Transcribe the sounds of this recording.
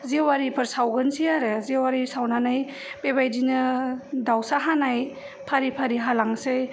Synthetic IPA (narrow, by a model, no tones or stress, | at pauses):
zewaɾipʰɯɾsawɡɯnsiaɾɯzewaɾisawnanaj | pebajdinɯdawsaɦanaj | pʰaɾipʰaɾiɦalaŋsej